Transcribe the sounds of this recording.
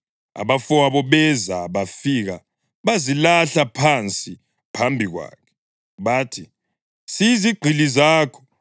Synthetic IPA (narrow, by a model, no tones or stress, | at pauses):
a̰βafuwaβɔβɛzaβafiɣa | βazilaɬapʰant͡sʼi | pʰambʱiɣwa̰ːkʰɛ̥ | βaːtʰi | siziɡ͡ǃʱilizaːkʰɔ̥